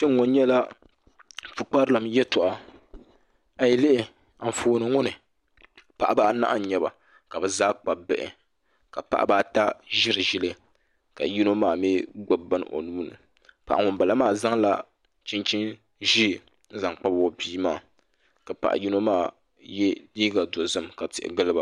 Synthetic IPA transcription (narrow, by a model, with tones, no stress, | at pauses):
t͡ʃɛ˦ŋŋːo˨n˦ɲɛ˦la˦ | fɨ˨k͡pa˦ɾɨ˦la˨mjɛ˦tʊ˨ʔa˨ | a˨jɛ˨lɪ˦ʔɪ˨ | a˨foː˨nɨ˨ŋʊ˦nɨ˨ | pa˨ʔa˦baː˦na̰˦ʔa˦˨ɲɛ˨ba̰˨ | ka˨bɛ˨zaː˦k͡pa˨bɛ̰˨ʔɪ̰˨ | ka˨pa̰˦ʔa̰˦ba˦ta˦ʒɪ˦ɾɨ˨ʒɪ˦lɨ˦ | ka̰˨ji˦no˦maː˨mi˦ɡ͡bo˦bba˦n˨ʔo̰˨nuː˦nɨ̰˨ | pa˨ʔa˨ŋʊ˨mba˨la˦maː˦˨za˦ŋla˦ | t͡ʃɪ˦nt͡ʃɪ˦n | ʒi˦˨ | n̩˦za˨ŋk͡pa˦bo˨biː˦maː˦˨ | ka˨pa̰˨ʔji˦no˦maː˦˨ | jɛ˦liː˦ɡa˨do˨zɨ˦mka˨tɪ̰˨ʔɪ̰˨ɡɨ˦lɨ˦ba˨